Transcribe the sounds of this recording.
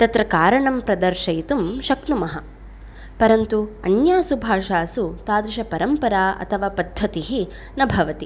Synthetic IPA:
t̪ɐt̪ɾɐkaːɾɐɳɐmpɾɐd̪ɐɾʃɐjt̪umʃɐknumɐɦɐ | pɐɾɐnt̪uɐ̰njaːsubʱaːʃaːsut̪aːd̪ɾiʃɐpɐɾɐmpɐɾaːɐ̰t̪ʰɐʋaːpɐd̪ʱːɐt̪iɦi | nɐbʱɐʋɐt̪i

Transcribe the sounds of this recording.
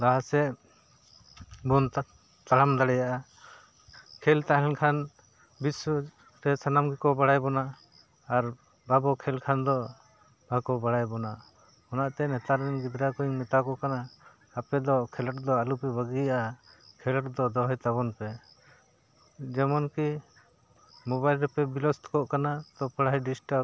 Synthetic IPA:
d̪aɦasɛ | bɔnt̪ | t̪aɽamd̪aɽɛjaʔa | kʰɛlt̪aɦɛnkʰan | bisɔ | ɾɛsanamɡikɔbaɽajbɔnaː | ɾ | babɔkʰɛlkʰand̪ɔ | b̥ʱakɔbaɽajbɔna | ɔnaʔt̪ɛnɛt̪aɾɛɛnɡid̪ɾakɔiŋnɛt̪akɔʔkanaː | pɛd̪ɔkʰɛləʈ̚d̪ɔalupɛbəɡijaʔakʰɛləʈd̪ɔd̪ɔɦɔjt̪abɔnpɛ | d͡ʒɛmɔnki | mɔβajlɾɛpɛbilɔst̪kɔʔkanat̪ɔpʰəɽaɦɛjɖisʈaɾ̚

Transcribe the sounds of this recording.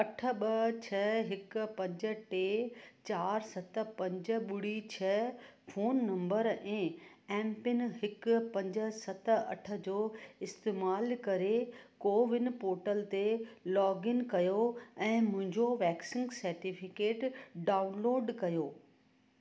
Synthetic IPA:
ɐʈʰə̆ɓɐt͡ɕʰɐɦɪkpɐ̃ɲd͡ʑə̆ʈeːt͡ɕaːɾsɐt̪̆pɐ̃ɲd͡ʑə̆ɓʊɽ̤it͡ɕʰɐfʰoːnːɐ̃mbəɾɛ̃ː | ɛ̃ːmpɪnɦɪkpɐ̃ɲd͡ʑə̆sɐt̪̆ʰɐ̰ʈʰə̆d͡ʑoːɪst̪eːmaːlkɐɾekoːʋɪnɪ̆poːɾʈəlt̪elɔːɡɪnkɐjoɛ̃ːmʊ̃ɦɪ̃ɲd͡ʑoʋɛːksɪ̃ŋɡsɐɾʈifʰɪkeːʈɖaːʊnloːɖkɐjoː

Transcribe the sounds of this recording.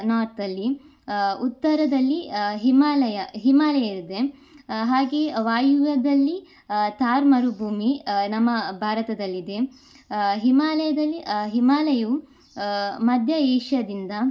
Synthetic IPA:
naːt̪ɐlːi | ut̪ːɐɾɐd̪ɐlːiɦimaːlɐjɐɦimaːlɐjɐiɾid̪e̞ | ɦaːɡeːʋaːjuʋɐd̪ɐlːi | t̪aːɾmɐɾubʱuːminɐmːɐbʱaːɾɐt̪ɐd̪ɐlːid̪e̞ | ɦimaːlɐjɐd̪ɐlːiɦimaːlɐju | mɐd̪ʱjɐeːʂjɐd̪ind̪ɐ

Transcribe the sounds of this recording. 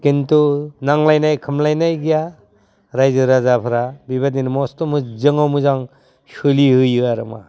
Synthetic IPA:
kintunaŋlajnajkʰɯmlajnajɡija | ɾajzɯɾazapʰɯɾabiβadinmɔstɔmɯzɯŋawmɯzaŋ | sɯlihɯjɯaɾɯma̰

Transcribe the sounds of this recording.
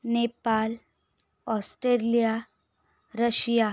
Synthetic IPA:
nepal | ɔsʈɾelija | ɾəɕja

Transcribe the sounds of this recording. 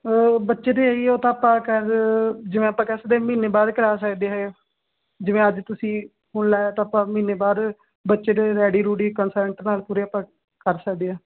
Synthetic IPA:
bətːʃeːd̪eːəioːt̪ãːpãːkəɾd͡ʒɪʋẽːapːãːkɛːsd̪eːmiːneːbaːd̪kəɾaːsəkd̪eːɦeː | d͡ʒɪʋẽːəd͡ʒt̪ʊsĩː | hʊɳlaːaːt̪ãːapːãːmiːneːbaːd̪ | bətːʃeːd̪eːɾɛːɽiːɾuːɽiːkənsəɾɳʈnaːlpuːɾeːaːpːãː | kəɾsək̚d̪eːaː

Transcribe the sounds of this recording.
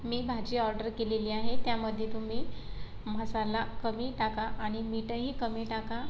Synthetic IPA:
miːbʱad͡ʑiːɔɾɖəɾkeleliːaɦet̪jaməd̪ʱːjet̪um̤iː | m̤əsalakəmiːʈakaʔaɽ̃imiʈəɦiːkəmiːʈaka

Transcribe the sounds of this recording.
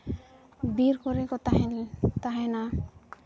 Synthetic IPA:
biɾkɔɾekɔt̪aɦelt̪aɦena

